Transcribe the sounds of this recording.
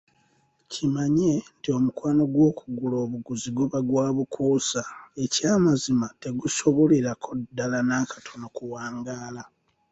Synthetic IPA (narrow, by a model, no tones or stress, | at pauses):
cimaɲentio̞mukwaːno̞ɡwo̞ːkuɡulo̞ːβuɡuziɡuβaɡwaːβukʰuːsae̞caːmazimate̞ɡuso̞βoliɾakʰo̞dːalanakḁtʰo̞no̞kuwaːŋɡaːla